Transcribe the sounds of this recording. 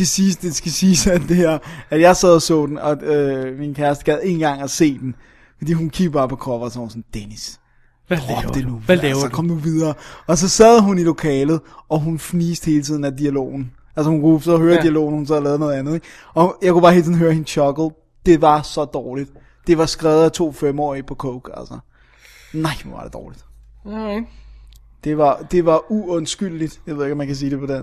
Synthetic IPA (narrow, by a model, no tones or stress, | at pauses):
sɡ̥æsiːsd̥esɡ̥æsiːsæd̥e̝hæɐæd̥jɑ̈ɪsɛð̰ˠɐsɔ̰̽ːd̥en̩ɒøminkʰæɐsd̥əɡ̥æð̰ˠe̝ːn̩ɡ̥ɑ̈ŋ̰æse̝̰ːd̥en | fɒd̥ḭːhunkʰiɡ̥̚b̥ɑ̈ːpʰɒ̽kʰɒʋɐsɒsɒn̩d̥enis | ʋæled̥enusɒkɒ̽md̥uʋið̞ˠɐːɒ̽s̬ɒ̽sæðˠɦunilo̝kʰɛːlð̞̩ˠɒ̽ɦunfniːsd̥he̝ːlət͡sʰið̰ˠn̩æd̥iælo̝̰ːn̩ | ʔælsəhunkusɒɦøːɐd̥iælo̝̰ːnhunsɛð̰ˠlɛːðˠnɔðˠænð̩ˠeɡ | ɒ̽jɑ̈ɪkub̥ɑ̈ːhe̝̰ːlt͡sʰḭðˠnɦøːɐhinɕʰɒ̽ɡ̥l̩ˠ | d̥e̝ʋɑ̈sɒ̽d̥ɒːlid̥ | d̥e̝ʋɑ̈sɡ̥ʁɛːʊð̞̩ˠæt͡sʰo̝̰ːfemɒ̰ːipʰɒ̽kʰɔʊɡ̥ælsɐ | nɑ̈ɪ̰ʋɑ̈d̥e̝d̥ɒːlid̥ | d̥e̝ʋɑ̈d̥e̝ʋɑ̈uɔ̽nsɡ̥yl̰lid̥jɑʋeðˠeɡɒmænkʰæs̬iːd̥e̝pʰɒ̽d̥en